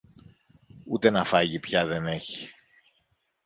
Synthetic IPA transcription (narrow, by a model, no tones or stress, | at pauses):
ut̪e̞nɐfɐʝipçɐðe̞ne̞çi̥